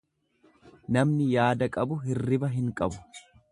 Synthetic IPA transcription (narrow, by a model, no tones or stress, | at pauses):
nɐmnɪjaːd̪ɐkʼɐbʊɦɪrːɪbɐɦɪŋkʼɐbʊ̥